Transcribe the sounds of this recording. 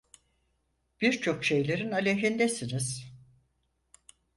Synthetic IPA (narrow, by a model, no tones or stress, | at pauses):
b̥iɾt͡ʃʰo̞kʃe̞jlʲeɾinalʲeɦind̪ɛsiniz̥